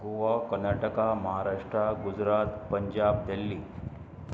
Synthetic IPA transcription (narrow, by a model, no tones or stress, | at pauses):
ɡuʋakəɾnaʈəkaməɦaɾaʂʈɾaɡud͡zɾat̪pəɲd͡ʑab̚d̪əlːiː